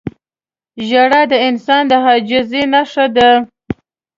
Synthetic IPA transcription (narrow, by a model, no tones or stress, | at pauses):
ʒaɽad̪əɪnsɑnd̪əɦɑd͡ʒɪzenaʂad̪a